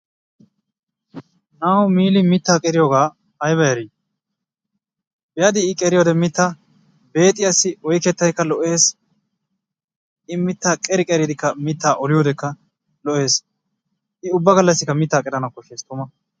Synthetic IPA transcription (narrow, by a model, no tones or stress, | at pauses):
naːwʊmiːlɪmɪt̪ːaːkʼɛɾɪjoːɡaː | ɐjbɐjɐɾiː | bɛjɐd̪ɪːkʼɛɾɪjoːd̪ɛmɪt̪ːa | be̞ːt̪ʼːɪjasːɪɔjkːɛt̪ːɐjkːɐlɔʔe̞ːs | ɪmɪt̪ːaːkʼɛɾɪkʼɛɾɪd̪ɪkːɐmɪt̪ːaːʔɔlɪjoːd̪ɛkːɐ | lɔʔe̞ːs | ʔɪʊbːɐɡɐlːɐsːɪkːɐmɪt̪ːaːkʼɛd̪ɐnɐkːɔʃeːst̪ʊmɐ